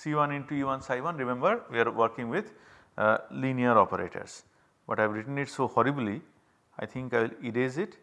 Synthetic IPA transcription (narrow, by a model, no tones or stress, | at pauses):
siːʋʌ̃nɪ̃ɳʈuiʋʌ̃nsaɪʋʌ̃nɾɪmẽmbəɾʋiaɾʋəɾkɪ̃ŋɡʋɪd̪ | lĩniəɾɔːpəɾḛːʈʰə̰ɾs | bʌʈajʋɾɪʈə̃nɪʈsoːhɔɾibli | aɪt̪ʰɪ̃ŋkaɪʋɪliɖeːzɪʈ